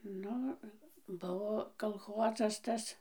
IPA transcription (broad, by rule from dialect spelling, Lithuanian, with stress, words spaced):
ˈnʊ ˈbʊʋoː kɐlˠˈxoːzɐs ˈtɐs